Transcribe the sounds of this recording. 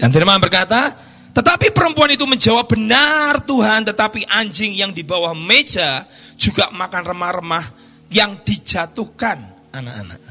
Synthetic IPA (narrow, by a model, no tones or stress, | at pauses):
d̥anfɪrmambərkat̪a | t̪ət̪apipəɾəmpuanit̪uməɲd͡ʒawap̚b̥ənart̪uɦant̪ət̪apiʔaɲd͡ʒɪŋjaŋdibawahme̥d͡ʒ̥ḁ | d͡ʒ̥uɡaʔmakanrəmahrəmah | jaŋd̥id͡ʒ̥at̪uhkan | ʔana̰ʔa̰na̰ʔ